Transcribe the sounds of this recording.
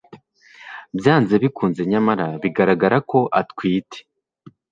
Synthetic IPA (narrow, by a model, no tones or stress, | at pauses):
bjaːnze̞βikuːnze̞ɲamaɾaβiɡaɾaɡaɾako̞ʔatkwiːtʰe̥